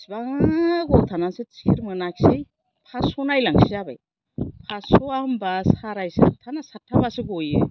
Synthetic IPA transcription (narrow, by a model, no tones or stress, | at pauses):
sbaŋaɡɔt̪ʰananset͡ʃiɾmɯnaksej | pʰasɔnajlaŋsijaba̰j | pʰasoambasaɾajsa̰tʰanasatʰːabasɯɡojɯ